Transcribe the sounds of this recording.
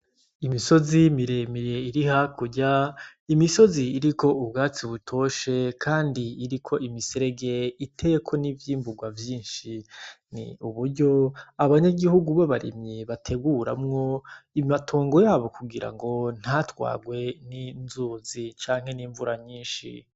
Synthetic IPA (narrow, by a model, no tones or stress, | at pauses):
imiso̞zimiɾe̞miɾe̞iɾihakuɟa | imiso̞ziːɾiko̞ubɡaːt͡siβutʰo̞ʃe̞kʰaːndiːɾikʰo̞ʔimiseɾe̞ɡe̞itʰe̞jekʰo̞nivjiːmbuɡwavjiːnʃi | nḭuβuɾɟo̞aβaɲaɡihuɡuβaβaɾḭmɲeβatʰe̞ɡuɾa̰mŋo̞imatʰoːŋɡo̞jaːβokuɡiɾa̰ŋɡo̞n̥hatwa̰ːɡwe̞ninzuzit͡ʃaːŋhe̞niːɱvuɾaɲiːnʃḭ